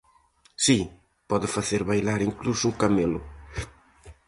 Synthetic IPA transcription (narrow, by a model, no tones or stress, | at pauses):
si | pɔðɪfaθeɾβajlaɾiŋklusukamelʊ